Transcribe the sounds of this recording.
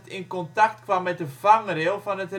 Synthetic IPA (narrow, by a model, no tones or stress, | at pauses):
tɪnkɔntɑktkʋɑmːɛt̚dəv̥ɑŋrelˠvɑnət